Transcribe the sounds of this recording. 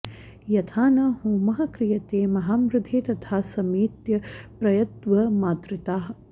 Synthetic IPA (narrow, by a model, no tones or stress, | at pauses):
jɐt̪ʰaːnɐhoːmɐɦɐkɾijɐt̪eːmɐɦaːmɾɪd̪ʱeːt̪ɐt̪ʰaːsɐmiːt̪jɐpɾɐjɐt̪ʋɐmaːt̪ɾɪt̪aːɦɐ̆